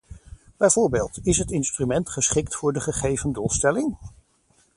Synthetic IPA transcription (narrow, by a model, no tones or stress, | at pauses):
b̥ɛjvʊːɹbeːlˠtɪsɦətɪnstrymɛntχəsχɪktfʊːɹdəχəχejvəndulˠstɛlɪŋ